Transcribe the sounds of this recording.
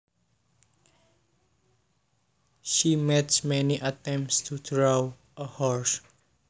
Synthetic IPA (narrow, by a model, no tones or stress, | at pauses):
ʃimɛtsmɛniʔat̪ɛ̃mptstʰudɹaw | əhɔɹs